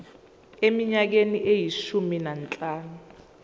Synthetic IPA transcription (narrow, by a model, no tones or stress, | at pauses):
emiɲak̬eniʔejiʃuminant͡ɬʼaːnu